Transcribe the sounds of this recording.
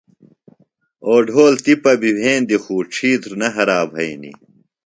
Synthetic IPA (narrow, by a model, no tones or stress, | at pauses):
oːɖʱoːlt̪ipɐbibʱeːnd̪ixuːʈ͡ʂʰiːt̪ɾnɐɦɐɾaːbʱɐjnḭ